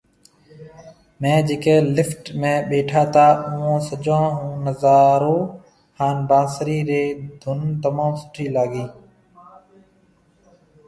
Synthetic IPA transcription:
mẽːd͡ʒeːkeːlɪfʈmẽːɓeːʈʰaːt̪ʰaːʔʊ̃õːsəd͡ʒãːɦũːnəzaːɾoː | haːnbãːsɾiːɾeːd̪ʱʊnt̪əmãːmsʊ̥ʈʰiːlaːɡiː

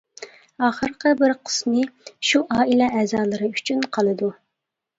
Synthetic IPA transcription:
ɑːχəɾqəbɪɾqʰə̥smɨʃuʔɑːilɛɛːzɑːlˠɨɾɨyt͡ʃʰynqʰɑlˠɨd̪u

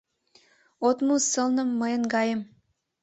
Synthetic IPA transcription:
ot̪musə̆lnə̆mːəjənɡɑjəm

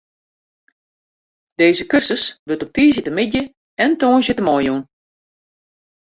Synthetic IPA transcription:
d̥eːzəkørsəsʋøtɔp̚tiːzjətəmɪdjə | ɛntoːnzjətəmɔjun

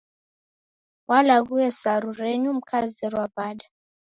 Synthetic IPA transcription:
walaɣuɛsaɾuɾɛɲum̩kʰazirwabaːɗa

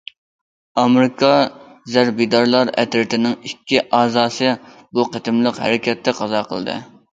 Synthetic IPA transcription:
ɑmɾɪkʰɑzæɾbijd̪ɑɾlˠɑɾɛ̰t̪ɾɪt̪ɪnɪŋikʲːiʔɑːzɑːsɨ | buqʰət̪ɪmlˠəqhɛ̰ɾɪkʲɛt̪ʰːɛqʰɑzɑqʰəlˠd̪ɨ̰

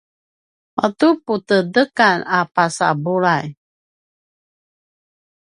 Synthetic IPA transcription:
ʔɔtuputədəkanapasa̰buɾaj

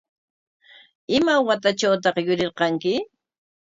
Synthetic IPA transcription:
ɪmawat̪at͡ʃawt̪ɑqjʊɾɪɾqɑŋkɪ

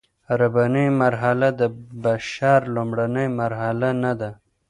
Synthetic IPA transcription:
aɾabanəjmaɾɦalad̪əbaʃɑɾlomɽanəjmaɾɦalanad̪a

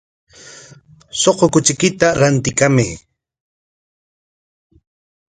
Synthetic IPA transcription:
soqokʊt͡ʃɪkɪt̪aɾant̪ɪkamɪ

